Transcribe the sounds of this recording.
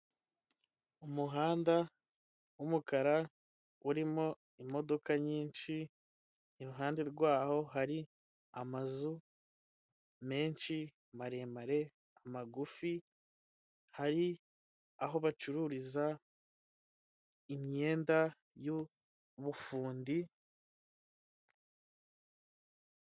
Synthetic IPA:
umuɦaːnda | wumukaɾa | uɾimo̞ | imo̞do̞kaɲiːnʃi | iɾuɦaːndeɾɡwaːho̞ɦaɾi | amazu | me̞ːnʃi | maɾe̞ːmaɾe̞ | amaɡufi | haɾi | aɦo̞βat͡ʃuɾuːɾiza | imɲe̞ːnda | ju | βufuːndi

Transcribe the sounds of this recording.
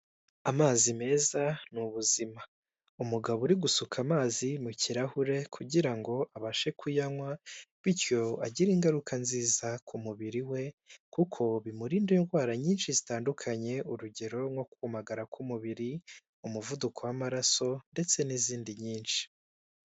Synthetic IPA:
amaːzime̞ːzanuβuzima | umuɡaβuɾiɡusukʰamaːzimuciɾahuɾe̞kʰuɟiɾaŋɡo̞ʔaβaʃe̞kʰujaŋwaβiɾjo̞a̰ɟiɾiŋɡaɾukʰanziːzakʰumuβiɾiwe̞kukʰo̞βimuɾiːndinɡwaːɾaɲiːnʃizitaːndukʰaɲe̞uɾuɟe̞ɾo̞ŋo̞kuumaɡaɾakʰumuβiɾi | umuvudukʰo̞wamaɾaso̞nde̞t͡se̞niziːndiɲiːnʃi̥

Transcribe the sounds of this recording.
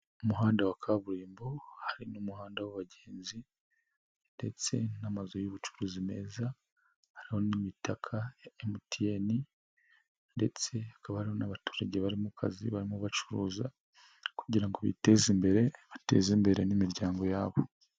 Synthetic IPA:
umuɦaːndawakʰaβuɾiːmbo̞haɾinumuhaːndawaβaɟe̞ːnzi | nde̞t͡se̞namazo̞juβut͡ʃu̥ɾuːzime̞̰ːza | haɾiho̞nimitakʰaemutije̞ni | nde̞t͡se̞hakaβahaɾiho̞naβatu̥ːɾaɟe̞βaɾimukʰa̰ziβaɾimuβat͡ʃuɾuːza | kuɟiɾaŋɡoβḭte̞zimbe̞ɾe̞βate̞̰ːzimbe̞ɾe̞nimiɾɟaːŋɡo̞jaːβo̞

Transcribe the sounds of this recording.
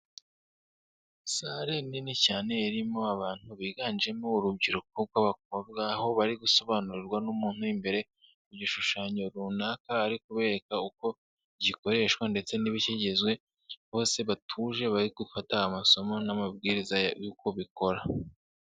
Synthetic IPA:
saɾeninicaːne̞iɾimo̞aβaːn̥huβiːɡaːnd͡ʒe̞moːɾub̚ɟiɾuk̚oβɡwaβakoβɡaho̞βaɾiɡuso̞βaːnuɾiɾɡwanumuːn̥hujimbe̞ɾe̞ | uɟiʃuʃaːɲo̞ɾunaːkaːɾikuβe̞ːɾe̞kauko̞ | ɟiko̞ɾe̞ʃwande̞t͡se̞niβiceɟe̞zɡwe̞ | βo̞ːse̞βatʰuːʒe̞βaɾiɡufataːmaso̞mo̞namab̚ɡiːɾizajuːko̞βiko̞ɾa

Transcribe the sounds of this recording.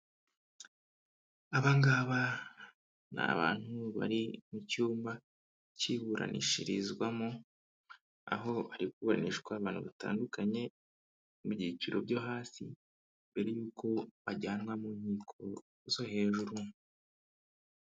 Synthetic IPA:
aβaŋɡaːβa | na̰βa̰ːn̥huβa̰ɾimucuːmba | ciβuɾa̰nʔḭʃiɾizɡwamo | a̰ɦo̞βaɾikuβoɾa̰niʃkwaβaːn̥huβata̰ːndukaɲe̞ | mubɟiːciɾo̞bɟo̞ɦaːsḭ | mbe̞ɾejuːko̞βaɟaːnwamuɲhiːkʰo̞ | z̥o̞he̞ːʒuɾu

